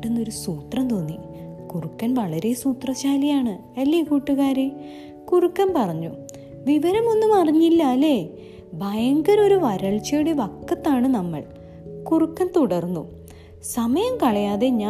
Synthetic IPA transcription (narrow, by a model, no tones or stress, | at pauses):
enːo̞ɾusuːt̪rɐmt̪o̞ːnːi | kurukːɐnʋɐɭɐɾe̞suːt̪rɐɕaːlijaːɳɨ | ɐlːikuːʈːuɣaːɾe | kurukːɐnpɐrɐɲːu | ʋiʋɐɾɐmo̞nːumɐrɐɲːilːɐːle̞ | bʱɐjɐŋɡɐɾo̞ɾuʋɐɾɐɭt͡ɕeːɽiʋɐkːɐt̪ːaːɳɨnɐmːɐ̰ɭ | kurukːɐnt̪uɽɐrnːu | sɐmɐjɐmkɐɭɐjaːðe̞ɲaː